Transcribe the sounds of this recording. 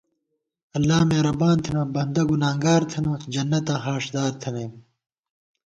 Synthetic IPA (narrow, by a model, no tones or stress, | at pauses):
ɐlːaːmeːɾɐbaːnt̪ʰinɐbɐnd̪ɐɡunaːŋɡaːɾt̪ʰɐnɐd͡ʑɐnːɐt̪ãːɦaːʂd̪aːɾt̪ʰɐnem